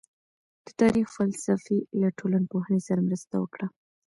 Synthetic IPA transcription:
d̪̥ət̪ɑɾixfalsafelaʈʰolanpoɦənesaɾamɾəst̪awəkɽa

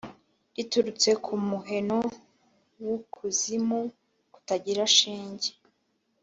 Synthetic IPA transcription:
ituɾut͡se̞kʰumuɦe̞no̞ | wukʰuzimu | ku̥taɟiɾaʃiːɲɟe

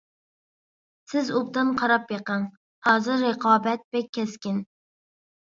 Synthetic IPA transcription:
sɪzup̚t̪ɨnqʰɑɾɑpjeqəŋ | hɑːzɨɾːəqʰɑːbɛt̪̚bɛkʲʰːɛskʲɪn

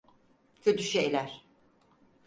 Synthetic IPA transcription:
cʰøt̪ʰyʃeːlʲæɾ̥

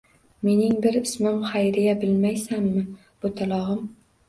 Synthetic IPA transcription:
me̞nɪŋbɪɾɪsmɪmχajɾɪjabɪlmajsamːɪ | b̥ʊt̪ʰalˠɒʁɨm

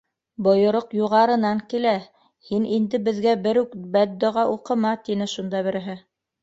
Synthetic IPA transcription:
bŏjŏɾoqjuʁɑɾɤ̆nɑŋkilæ | hinʔind̪ɘbɘ̆ðɡæbɘɾʉkbæd̪ːoʁɑʔuqɤ̆mɑt̪inɘʃund̪ɑβɘ̆ɾɘ̆ɦɘ

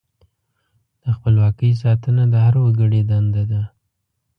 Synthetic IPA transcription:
d̪̥əxpəlwɑkəjs̬ɑt̪ənad̪əhaɾwəɡəɽed̪and̪ad̪a

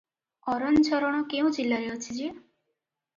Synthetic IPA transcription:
ɔɾɔnt͡ʃʰɔɾɔɽ̃ɔkeũd͡ʒilːaɾeɔt͡ʃʰid͡ʒi

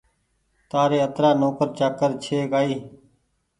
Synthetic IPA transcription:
t̪aːɾeːət̪ɾaːnoːkəɾt͡ʃaːkːəɾt͡ʃʰeːkaːiː

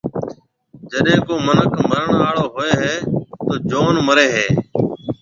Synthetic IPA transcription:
d͡ʒəɗẽːkoːmənəkməɾəɳaːɭoːɦoːeːɦeːt̪oːd͡ʒoːnməɾeːɦeː

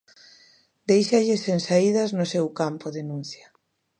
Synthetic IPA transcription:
d̪ejʃaʎɪsensaið̞ɐznʊsewkampoðenũn̟θja

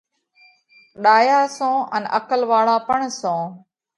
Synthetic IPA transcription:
ɗaːjaːsõːʔə̰nʔəkəlʋaːɭaːpəɳsõː

